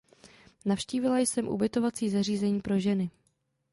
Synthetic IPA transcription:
nafʃciːvɪlajsɛmʔṵbɪt̪o̞vat͡siːzariːzɛɲiːpɾo̞ʒɛnɪ

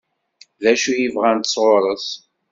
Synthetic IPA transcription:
ðæʃujivʁænt̪ə̥sˤʁoɾˤəθ

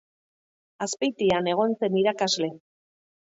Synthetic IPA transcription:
aspejt̪iane̞ɣ̞o̞nse̞niɾakazle̞

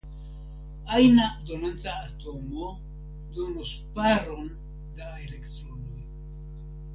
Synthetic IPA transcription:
ajnado̞nantaːto̞mo̞ | do̞nus | paɾo̞n | daele̞kt̪ɾonoj

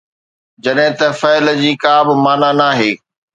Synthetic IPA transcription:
d͡ʑɐɗɦɪ̃t̪ɐfɛːləd͡ʑiːkaːbɪ̆maːnanaːɦeː

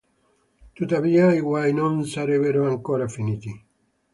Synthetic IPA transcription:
t̪ut̪aβiaiɣwajnonsaɾeβeɾoaŋkoɾafinit̪i

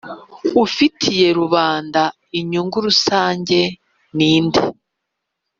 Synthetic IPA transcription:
ufitʰije̞ɾuβaːnda | iɲuŋɡuɾusaːɲɟe̞ | niːnde

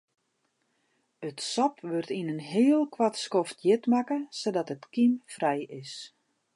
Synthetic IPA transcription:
ətsɔpʰʋørtinənɦɪəlˠkwatskɔftjɪtmakəsodɔtətkimfrɛjɪs

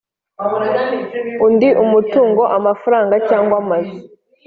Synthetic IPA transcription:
undiʔumutuːŋɡo̞ʔamafuɾaːŋɡacaːŋɡwamazi

